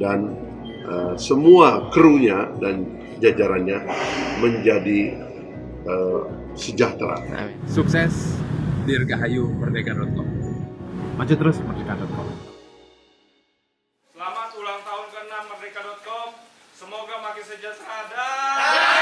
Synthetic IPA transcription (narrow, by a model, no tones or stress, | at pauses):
dan | ʔəsəmuakəɾuɲadan | d͡ʒad͡ʒaɾanɲaməɲd͡ʒadi | ə | səd͡ʒat̪ɾa̰suksɛsdirɡaɦajumərnekadɔt̪̚kɔm | mad͡ʒut̪əɾʊsmərnekadɔt̪̚kɔ̰m | səlamat̪ulaŋt̪aʊnkənamərnekadɔt̪̚kɔm | səmoɡapakesəd͡ʒat̪ɾada